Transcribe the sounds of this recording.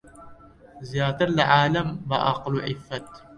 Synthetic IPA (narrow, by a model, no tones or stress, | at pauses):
zijaːt̪ɨɾlaʕaːlɐmbɐ̰ʔa̰qluʕɪfːɐt̪